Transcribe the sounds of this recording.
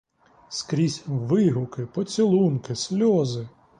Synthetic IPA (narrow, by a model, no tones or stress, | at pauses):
skɾʲizʲʋɪɦʊkɪpɔt͡sʲilˠunkɪsʲlʲɔzɪ